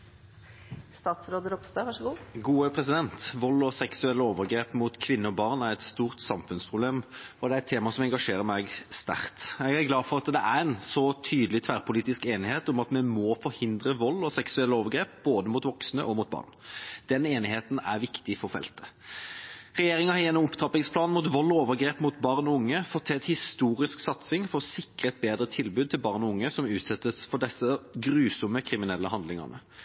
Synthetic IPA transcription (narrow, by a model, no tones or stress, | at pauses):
st̪ɑːt̪sɾoːd̪əɾɔpst̪ɑːʋɑʂɡuːɡuːəpʰɾɛs̬ɪd̪ɛnt̪ʋɔlːɔsɛksʉɛlːəoːʋəɾɡɾeːpmut̪kʰʋɪnːəɔbɑːʁnæɾɛt̪st̪uːʁt̪sɑmfʉnspʰʁʊbleːmɔd̪ɛæɾɛt̪ʰːeːmɑsɔmɛŋɡɑʂeːɾəɾmæɡst̪æ̰ʁt̪ɛɡæɡlɑːd̪fɔʁɑt̪d̪ɛʔæɾɛnsɔt̪ʰyːd̪əlɪt̪ʰʋæːʁpʊliːt̪ɪskeːnɪheːt̪ʊmɑt̪mɛmɔfɔɾhɪnd̪ɾəʋɔlːɔsɛksʉɛlːəoːʋəɾɡɾeːp̚b̥oːd̪əmut̪ʋɔksnə̰ʔɔmʊt̪̚bɑ̰ːʁnd̪̥ɛneːnɪheːt̪n̩æɾʋɪkt̪ɪfɔɾfɛ̰lt̪ə̥ | ʁɛjeːɾɪŋɑhɑjɛnːɔmɔpt̪ʰʁɑpɪŋspʰlɑːnmut̪ʋɔlːɔoːʋəɡɾeːpmut̪bɑʁnɔʊŋːəfɔt̪ʰːɛɛt̪hɪst̪uːɾɪsksɑt̪sɪŋfɔɾɔsɪkʁəɛt̪̚beːd̪ɾət̪ʰɪlbʉːd̪̚t̪ʰɪlbɑʁnɔʊŋːəsɔmʉːt̪sɛt̪ːəsfɔɖɛsːəɡɾʉːsɔməkʰɾɪmɪnɛlːəhɑnd̪lɪŋɑ̰ʁnə̰